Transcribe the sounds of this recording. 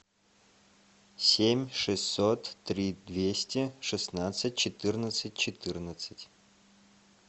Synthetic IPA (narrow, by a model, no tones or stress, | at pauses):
sʲemʲʂɨsʲt̪ːot̪ːɾʲid̪vʲesʲtʲɪʂɨsnat̪sɨt̚ʲt͡ɕɪt̪ɨrnət̪sɨt̚ʲt͡ɕɪt̪ɨrnət̪sɨtʲ